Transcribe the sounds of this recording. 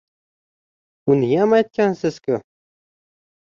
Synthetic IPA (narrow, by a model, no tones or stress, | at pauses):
ʊnɪjamajt̪̚kʲansɪzkʰʲʊ